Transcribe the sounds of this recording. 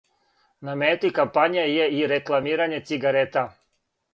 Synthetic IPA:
nameːt̪ikampaɲijajeiɾeklˠamiːɾaɲe̞t̪siɡaɾet̪a

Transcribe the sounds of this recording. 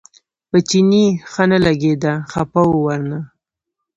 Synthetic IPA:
pət͡ʃinixanalaɡed̪axapawowaɾna

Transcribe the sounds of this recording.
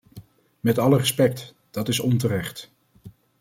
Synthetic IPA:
mɛtɑlərəspɛk̚t | d̥ɑtɪsɔnt̬əɾɛχt

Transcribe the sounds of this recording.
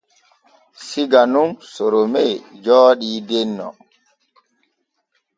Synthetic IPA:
siɡanunsɔɾomed͡ʒɔːɗiːdɛnːɔ̰

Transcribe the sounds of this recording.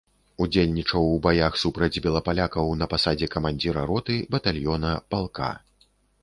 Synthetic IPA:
ud͡zʲelʲnʲit͡ʂɐwːbajaxsupɾɐd͡zʲbʲɛlˠɐpalʲakɐwnɐpasad͡zʲɛkɐmanʲd͡zʲiɾɐɾɔt̪ɨbɐt̪alʲjɔnɐpalˠka̰

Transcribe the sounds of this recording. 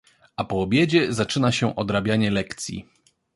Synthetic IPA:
ʔapɔːbʲjed͡ʑɛzat͡ʂɘnaɕɛʔɔd̪ɾabʲjaɲɛlɛkt̪sʲjḭ

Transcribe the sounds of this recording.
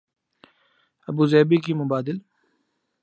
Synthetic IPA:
ɐbuːzɛːbikimʊbaːd̪ɪl

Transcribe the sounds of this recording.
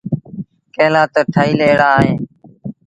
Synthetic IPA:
kẽːlãːt̪əʈʰaːiːleːɽaːɦẽː

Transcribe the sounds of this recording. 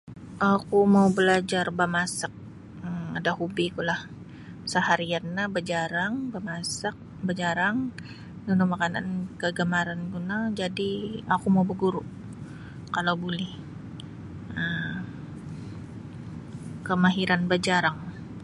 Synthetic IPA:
ʔakumaubəlad͡ʒarbamasak̚ | əadahubikulah | səhaɾianːabəd͡ʒaɾaŋbamasak̚bəd͡ʒaɾaŋ | dunumakana̰nkəɡəmaɾanɡunad͡ʒadiakumaubəɡuɾuʔ | kalawbulɛh | ə | kəmaɦiɾanbad͡ʒaɾaŋ

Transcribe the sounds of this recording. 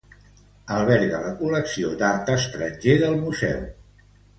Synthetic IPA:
əlˠβɛɾɣələkuləksiod̪aɾt̪əst̪ɾəʒeðəlˠmuzɛ̰w

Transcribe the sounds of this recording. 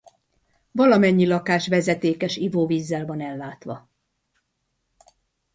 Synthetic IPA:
vɒlɒmɛɲːilɒkaːʃʋɛzɛt̪eːkɛʃivoːviːzːɛlvɒnɛlːaːt̪ʋɒ

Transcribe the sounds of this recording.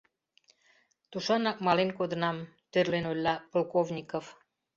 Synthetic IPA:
t̪uʃɑnɑk̚mɑlenkod̪ənɑm | t̪ørlenolʲːɑpolkovnʲikof

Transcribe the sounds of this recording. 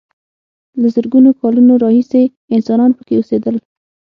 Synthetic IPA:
ləzəɾɡunokɑlunoɾɑhise | ɪnsɑnɑnpəkeosed̪əl

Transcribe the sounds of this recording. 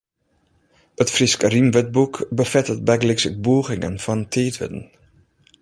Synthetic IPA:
ətfriskərimʋət̚bukbəfɛtət̚bɛɡlɪksək̚buːɣɪŋə̰nfɔntʰeːtʋɪ̰tən̩

